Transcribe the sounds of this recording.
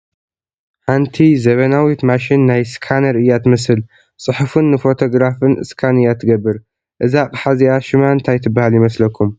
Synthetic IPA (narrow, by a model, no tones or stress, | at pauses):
ħant̪ʰizɐβɐnawit̪maʃinːajskʰanɐɾɨjːat̪mɨsɨl | sʼɨħufɨnːɨfo̞t̪ʰo̞ɡɾafɨnʔɨ̰skʰanɨjːat̪ʰːɨɡɐbːɨɾ | ʔɨzaqʼħaziaʃɪmaɨnt̪ʰajt̪ʰɨbːahaljɪmɐslɐkʰːum